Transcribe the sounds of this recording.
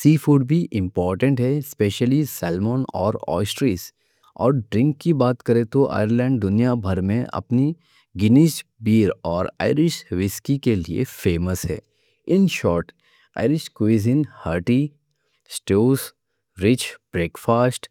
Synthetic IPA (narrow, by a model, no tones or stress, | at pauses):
siːfuːɖbʱiʔɪ̃mpɔːɾʈə̃ɳʈɦɛɪspeːʃəlisɛːlmoːnɔ̰ːɾɔ̰ːsʈɾiːs | ɔːɾɖɾɪ̃ŋkːibaːt̪kɐɾet̪oʔa̰ːjəɾlɛ̃ːɳɖ̚d̪ʊnijabʱɐɾmẽʔɐ̰pni | ɡɪniʃbiːɾɔːɾa̰ːɪɾɪʃʋɪskikeliḛfeːməsɦɛ̰ː | ɪnʃɔːɾʈ | a̰ːɪɾɪʃkwiziːnhəːɾʈi | sʈoːz | ɾɪt͡ʃb̥ɾeːkfaːsʈ